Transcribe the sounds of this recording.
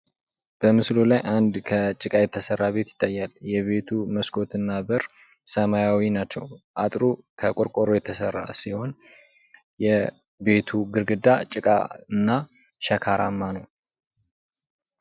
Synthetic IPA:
b̥əmɨslolajʔand̪kʰət͡ʃʼɨkʼajɛt̪ʰːəsərːaβe̞t̪jɪt̪ʼːajːaljɛβe̞t̪ʰuməskʰʼo̞t̪ɨnːabɨɾ | səmajawinat͡ʃːɛwʔat̪ʼɾukʰəkʼoɾkʼoɾojɛt̪ʰːəsərːa̰siho̞n | jɛ | be̞t̪ʰuɡɨɾɡɨd̪at͡ʃʼɨkʼa̰ɨnːa | ʃəkʰaɾa̰mːanəw

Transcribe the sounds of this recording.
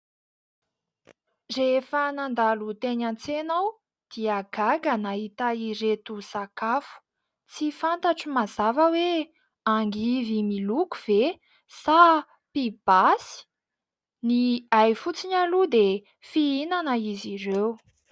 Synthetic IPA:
refənand̪alut̪eɲant͡senaw | d̪̥iaɡaɡanaɦit̪aiɾet̪usakafu̥ | t͡sifant̪aʈ͡ʂimazavəwe | aŋɡivimiluku̥v̥e | sa | pib̥asi̥ | niajfut͡siɲalud̪e | fiinanəizirew

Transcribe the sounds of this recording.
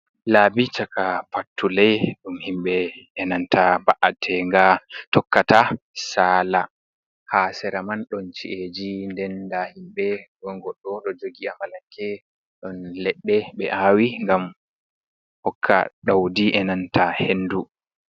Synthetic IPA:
labit͡ʃakapatːulɛjɗumhimɓɛɛnantʰabaʔatʰɛŋɡatɔkːatasaːla | hasɛɾamanɗɔnt͡ʃḭʔed͡ʒindɛndahimɓɛɡɔŋɡɔɗːɔɗɔd͡ʒoɡiamalaŋkʰɛ | ɗɔnlɛɗːɛɓɛ̰ʔawiŋɡam | hɔkʰːa̰ɗawdiʔɛnantʰahenːdu

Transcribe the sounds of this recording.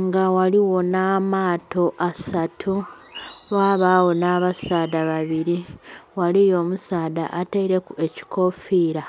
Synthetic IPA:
ŋɡawaliwo̞namaːto̞ʔasatʰu | βaːβaːwo̞naβasaːdaβaβiɾiwalijo̞ːmusaːda̰ʔateiɾe̞kue̞ci̥ko̞fiːɾa

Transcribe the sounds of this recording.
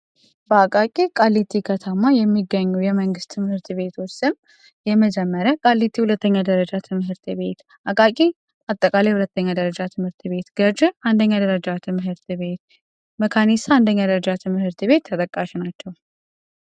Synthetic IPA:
bəakʼakʼikʼalːit̪ʰːikʰət̪ʰəmajɛmːiɡːəɲːujɛməŋɡɨst̪t̪ʰːɨmhɨɾt̪ʰɨβe̞t̪ʰosɨm | jɛməd͡ʒɛmːəɾəkʼalːit̪ʰːihulət̪ːəɲːad̪əɾəd͡ʒat̪ʰɨmɦɨɾt̪ʰɨbe̞t̪ | ʔakʼakʼi | at̪ʼːəkʼalejhulət̪ʰːəɲːad̪əɾəd͡ʒat̪ʰɨmhɨɾt̪ʰɨβe̞t̪ɡ̥əd͡ʒand̪əɲːad̪əɾəd͡ʒat̪ʰɨmɦɨɾt̪βet̪ | məkʰanist̪ʰaand̪əɲːad̪əɾəd͡ʒat̪ʰɨmhɨɾt̪ɨβe̞t̪ʰːət̪ʼəkʼːaʃinat͡ʃːɛw

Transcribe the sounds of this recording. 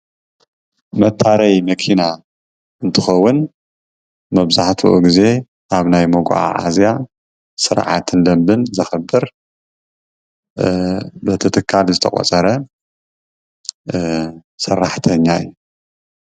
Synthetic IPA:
mɐt̪ʰːaɾɐjmɐkʰina | ɨnt̪ʰɨxɐwːʊn | mɐβzaħt̪ʰuʔṵɡize̞ | ʔaβnajmoɡʷʔa̰ʕa̰zija | sɨɾʕa̰t̪ʰɨnd̪ɐmbɨnzɐxɐbːɨɾ | bɨt̪ʰɨt̪ʰɨkʰːalzɨt̪ʰɐkʼɔ̰t͡sʼɐɾɐ | sɐrːaħt̪ʰɐɲːaɨ̰jːu

